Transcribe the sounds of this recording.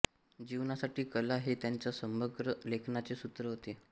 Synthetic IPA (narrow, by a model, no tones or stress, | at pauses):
d͡ʑiʋnasaʈiːkəlaɦet̪jaɲt͡ɕjasəməɡɾəlekʰnat͡sesut̪ɾəɦot̪e